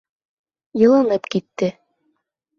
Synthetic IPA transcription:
jɤ̆lˠɤ̆nɤpkit̪ːɘ

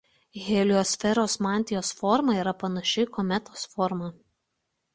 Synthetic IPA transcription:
ɣʲeːlʲʊjoːsʲfʲɛɾoːsmɑˑnʲt̪ʲɪjoːsfɔɾmɐiːɾɐpɐnɐʃʲɪkɔmʲɛt̪oːsfɔɾmɐ

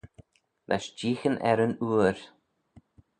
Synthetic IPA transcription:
lʔɛ̰ʃd͡ʒiːxənʔɛ̰ɾənuːəɾ

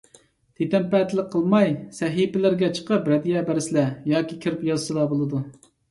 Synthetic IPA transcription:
t̪ʰet̪ɛmpɛt̪ʰɪlɪk̚ʲqʰːəlˠmɑjsɛɦipɪlɪɾɡʲɛt͡ʃʰə̥qəpɾɛd̪ijɛbɛɾɪsɪlɛjɑːkʲikʲʰɪɾɪpjɑzt͡ʃɨlˠɑbolˠɨd̪u

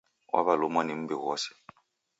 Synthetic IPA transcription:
wʔa̰βalʊmwanim̩bɛɣɔsɛ̥

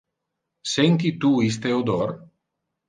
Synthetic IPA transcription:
sent̪̬it̪uis̬t̪eod̪ɔr

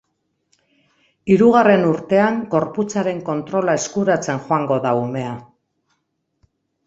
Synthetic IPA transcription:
iɾuɣare̞nuɾt̪e̞aŋɡo̞ɾput͡saɾe̞ŋko̞nt̪ɾo̞lae̞skuɾat͡se̞nxoaŋɡo̞ðaume̞a

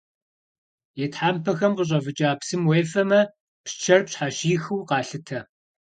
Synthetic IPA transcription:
jɛtħaːmpʰɐxɐmqəɕ̬ʼɐvɨt͡ʃʼaːpsɨmweːfɐmɐ | pst͡ʃʰɐrpɕħaɕiːxɨwqɑːɬɨtʰɐ

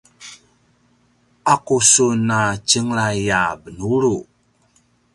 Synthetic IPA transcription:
akusunat͡ʃəŋɾajabənuɾu

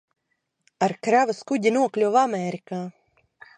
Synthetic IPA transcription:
aɾkɾavaskuɟ̪ʲinuɔklʲuvamʲɛɾikaː

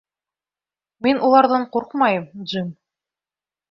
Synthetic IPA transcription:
minʔulˠɑɾðɤɴquɾqmɑjɤmʒin

